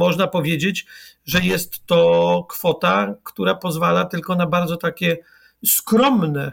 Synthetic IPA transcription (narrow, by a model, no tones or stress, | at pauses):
mɔʐnapɔvʲjed͡ʑed͡ʑ | ʐɛjɛst̪ːɔkfɔt̪akt̪uɾapɔzvalat̪ɘlkɔnabaɾd̪zɔt̪akʲɛ | skɾɔmnɛ